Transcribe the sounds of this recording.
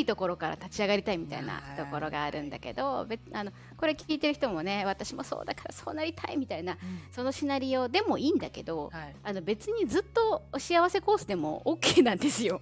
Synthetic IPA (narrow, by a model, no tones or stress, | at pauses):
it̪o̞ko̞ɾo̞kaɾa̰t̪at͡ɕiaɡaɾʲit̪aimʲit̪a̰ḭna̰t̪o̞ko̞ɾo̞ɡaːɾɯ̟̃nd̪a̰ke̞̰d̪o̞be̞ano̞ | ko̞ɾe̞kʲiːt̪e̞ɾɯ̟çi̥t̪omo̞ne̞β̞at̪aɕimo̞so̞̰ːd̪akḁɾaso̞̰ːnaɾʲit̪ʰaimʲit̪ainaso̞noɕinaɾʲio̞ːd̪e̞mo̞iːnd̪ake̞d̪o̞ano̞be̞t͡sɨɲ̟izɨt̪ːo̞oɕiaβase̞ko̞ːsɨd̪e̞mo̞̰ʔoːkːeːnãnd̪e̞sɨjo̞